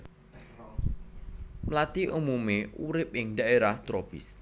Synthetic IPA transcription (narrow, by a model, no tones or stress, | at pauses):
mlat̪iʔumumeuɾɪp̚jɪŋd̪aʔeɾaht̪ɾob̥ɪ̰s